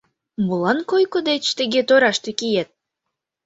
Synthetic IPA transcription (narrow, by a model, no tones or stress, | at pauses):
mulˠɑnkojkod̪et͡ɕt̪eɡʲet̪oɾɑʃt̪ykʲijet̪̚